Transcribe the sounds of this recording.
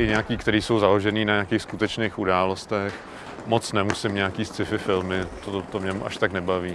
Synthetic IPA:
ʔɪɲɛakiːkt̪ɛɾiːso̞wzalo̞ʒɛniːnaɲakiːxskut̪ɛt͡ʃneːxudaːlost̪ɛx | mot͡snɛmusɪmɲɛakiːst͡sɪfɪfɪlmɪt̪ot̪omɲɛmuʔaʃt̪aknɛbaviː

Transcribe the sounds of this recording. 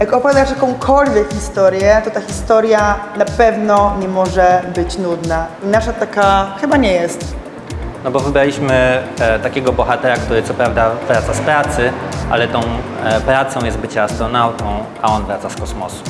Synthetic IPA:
jakɔpɔvjad̪aʂjakɔ̃w̃kʰɔlvʲjɛkxʲist̪ɔɾjɛt̪ɔt̪axʲist̪ɔɾjanapɛvnɔɲɛmɔʐɛbɘt͡ɕnud̪nainaʂat̪akaxɘbaɲɛjɛst̪ | nɔbɔvɘbɾalʲiɕmɘt̪akʲɛɡɔbɔxat̪ɛɾakt̪uɾɘt̪sɔpɾavd̪avɾat̪saspɾat̪sɘʔa̰lɛt̪ɔ̃w̃pɾat̪sɔ̃w̃jɛst̪̚bɘt͡ɕɛast̪ɾɔnawt̪ɔ̃w̃ | a̰ɔnvɾat̪saskɔsmɔsu̥

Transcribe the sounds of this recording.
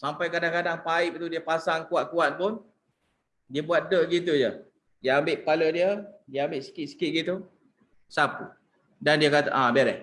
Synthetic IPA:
sampajkadaŋkadaŋpaɪp̚t̪udiəpasaŋkuat̪̚kuat̪̚pʊn | diəbuat̪̚dəʔɡit̪̬ud͡ʒə | diəambɪʔpaləʔdiədiəambɪʔsi̥kit̪̚si̥kit̪̚ɡit̪u | sapu | dandiəkat̪a̰ʔãbeɾɛh

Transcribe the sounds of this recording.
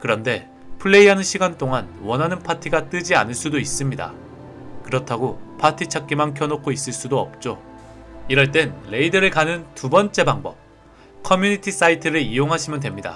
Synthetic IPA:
kɯɾʌnde̞ | pʰɯɭːe̞iɦanɯnɕʰiɡant͈oŋanwʌnɦanɯnpʰatʰiɡat͈ɯd͡ʑia̰nɯɭs͈udois͈ɯmɲida̰ | kɯɾʌtʰaɡopʰatʰit͡ɕʰak͈̚imankʰjʌnokʰois͈ɯɭs͈udoʌp̚t͡ɕ͈o | iɾʌɭt͈e̞nle̞idɯɾɯɭkanɯntubʌnt͡ɕ͈e̞baŋbʌp̚ | kʰʌmjuɲitʰis͈aitʰɯɾɯɭijoŋɦaɕʰimjʌnd̬we̞mɲida̰

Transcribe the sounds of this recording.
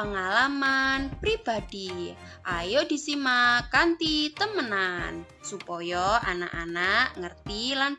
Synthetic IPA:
əŋalamanpɾib̥ad̥i | ʔajodi̤simakant̪it̪əmənan | supɔjɔa̰na̰ʔa̰naʔŋərt̪ilan

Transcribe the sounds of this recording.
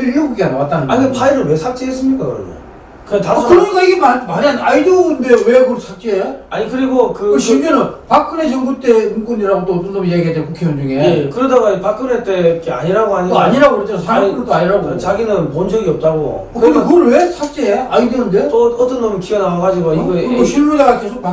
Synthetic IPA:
iuɡuɡianawat͈anɯnaɲietʰaiɾɯɭwe̞sʰak̚t͡ɕ͈eːs͈ɯmɲik͈akɯɾʌ̰ɲʌ̰ | kɯtaskɯɾʌɲik͈aiɡemamaɲianaidɯnde̞jowekɯʌɭsʰak̚t͡ɕ͈eeaɲikɯɾiɡokɯkɯɕʰimenɯnpakʰɯne̞t͡ɕʌŋbut͈e̞ɯŋɡuniɾaɡot͈oʌt͈ʌnːʌmijaɡiɦadekukʰeond͡ʑuŋejekɯɾʌdaɡaipak͈ʰɯnet͈ek͈ea̰ɲiɾaɡoɦaɲiaɲiɾaɡoɾed͡ʑosʰakɯɯtaɲiɾaɡot͡ɕaɡinɯnmʌnd͡ʑʌɡiʌp̚t͈aɡo̰ | okɯnd̪ekɯɡʌɭwe̞sʰak̚t͡ɕ͈eeajidɯɯnde̞tʌt͈ʌnːʌmkienaaɡad͡ʑiɡoiɡʌkoɕʰimudaɡake̞sʰok̚pa

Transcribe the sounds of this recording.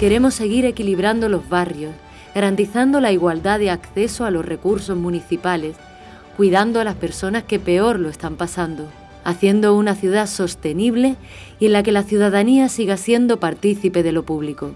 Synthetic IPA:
ke̞ɾe̞mo̞sːe̞ɣ̞iɾe̞kiliβ̞ɾand̪o̞lo̞zβarjo̞s | ɣaɾant̪iθand̪olaiɣwald̪aðeakθe̞soalo̞zre̞kuɾso̞zmũniθipale̞s | kwiðand̪oalaspe̞ɾso̞naske̞pe̞o̞ɾloe̞st̪ampasand̪o̞ | aθje̞nd̪o̞unaθjuðaso̞st̪e̞niβ̞le̞ | ie̞nlake̞laθjuðaðaniasiɣasje̞nd̪o̞paɾt̪iθipe̞ð̞e̞lo̞puβliko

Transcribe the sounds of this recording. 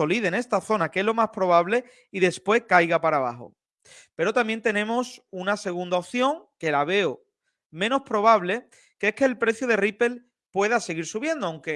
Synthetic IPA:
o̞liðene̞st̪aθo̞nake̞zlo̞maspɾo̞β̞aβle̞ | iðe̞spwe̞hkajɣapaɾaβa̰xo̞̰ | pe̞ɾo̞t̪ambje̞nt̪e̞nẽ̞mosunase̞ɣ̞und̪aoθjo̞ŋke̞laβ̞e̞o | mẽ̞no̞spɾo̞β̞aβle̞ | kehke̞ːlpɾe̞θjoð̞e̞ripe̞l | pwe̞ðase̞ɣiɾsuβje̞nd̪oawŋke̞

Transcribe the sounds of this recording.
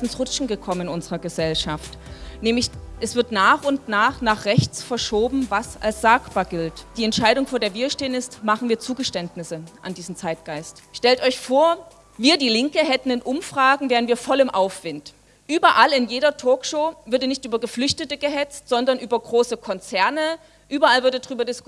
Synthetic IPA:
ɪnsʁʊt͡ʃn̩ɡəkʰɔmənɪnʔʊnzəʁɐɡəzɛlʃaft | nɛːmlɪçʔɛsv̥ɪɐtnaːχʊntnaːχnaːχʁ̥ɛçt͡sfɛɐʃoːbm̩vasa̰lsz̥aːkb̥aːɐɡɪltd̥iːɛntʃaɪɾʊŋfoːɐdeːɐviːɐʃteːənɪstmaχn̩viːɐt͡suːɡəʃtɛntnɪsəʔandiːzm̩t͡saɪt̚ɡ̥aɪstʃtɛltʔɔʏçfoːɐ | viːɐdiːlɪŋkəɦɛtn̩ɪnʔʊmfʁ̥aːɡŋ̩vɛːʁənviːɐfɔlɪmʔaʊfv̥ɪnt | ʔyːbɐʔalɪnjeːɾɐtʰɔːkʃoːvɪɐdənɪçtʔyːbɐɡəflʏçtətəɡəɦɛt͡stz̥ɔndɐnʔyːbɐɡʁoːsəkʰɔnt͡sɛɐnə | ʔyːbɐʔalvɪɐtɛdʁyːbɐdɪskʊ

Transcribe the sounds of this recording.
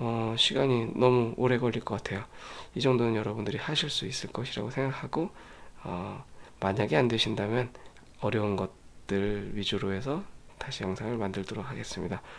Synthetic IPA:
ʌɕʰiɡaɲinʌmuoɾe̞ɡʌʎːiɭk͈ʌk͈atʰe̞joid͡ʑʌŋdonɯnjʌɾʌbundɯɾihaɕʰiɭs͈uis͈ɯɭk͈ʌɕʰiɾa̰ɡosʰe̞ŋɡakʰaɡo | ʌmaɲaɡe̞andwe̞ɕʰindamjʌn | ʌɾjʌunɡʌt̚t͈ɯɭɥid͡ʑuɾoe̞sʰʌ | taɕʰijaŋsʰaŋɯɭmandɯɭdoɾok̚haɡe̞s͈ɯmɲida

